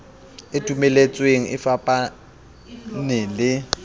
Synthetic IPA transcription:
ɪdʱumɛlet͡sʼweŋ̩ʔɪfapʼa | nɪlɪ

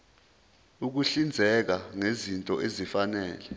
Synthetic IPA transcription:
uk̬uɬind͡zʱɛk̬aŋezintʼɔʔezifanɛːlɛ

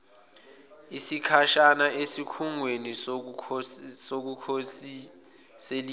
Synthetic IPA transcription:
isikʰaʃanaʔesikʰuŋweni | sok̬ukʰosi | seli

